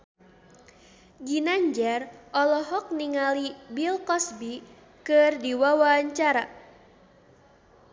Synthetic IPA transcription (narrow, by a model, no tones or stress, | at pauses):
ɡinaɲd͡ʒɛrʔɔlɔɦɔk̚niŋalibilkɔsbi | kɨrdiwawaɲt͡ʃaɾa